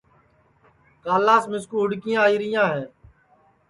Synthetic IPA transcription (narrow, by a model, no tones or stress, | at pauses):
kaːlaːsmɪskuːɦʊɽkɪjãːiːɾɪjãːɦẽː